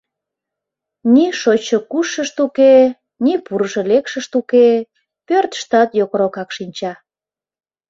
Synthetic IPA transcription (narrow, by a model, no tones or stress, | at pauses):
niʃot͡ɕokuʃəʃt̪uke | nipuɾʒə̆lekʃəʃt̪uke | pørt̪ə̥ʃt̪ɑt̪jokɾokɑkʃinʲt͡ɕɑ